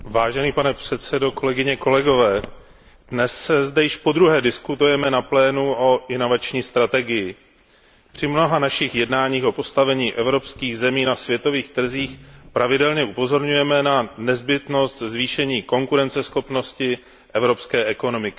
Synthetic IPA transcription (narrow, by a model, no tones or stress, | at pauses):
vaːʒɛniːpanɛpr̝̥ɛt̪sɛdo̞ko̞lɛɡɪɲɛko̞lɛɡo̞vɛː | dnɛsːɛzdɛjɪʃpo̞d̪ɾuɦɛːdɪskut̪ujɛmɛnaplɛːnuʔo̞ʔɪno̞vat͡ʃɲiːst̪ɾat̪ɛɡɪjɪ | pr̝̥ɪmno̞ɦanaʃɪxjɛdnaːɲiːxʔo̞po̞st̪avɛɲiːʔɛvɾo̞pskiːɣzɛmiːnasvjɛt̪o̞viːxt̪r̩ziːxpɾʔavɪdɛlɲɛʔupo̞zo̞ɾɲujɛmɛnanɛzbɪt̪no̞st̪zviːʃɛɲiːko̞ŋkuɾɛnt͡sɛsxo̞pno̞scɪ | ʔɛvɾo̞pskɛːʔɛko̞no̞mɪkɪ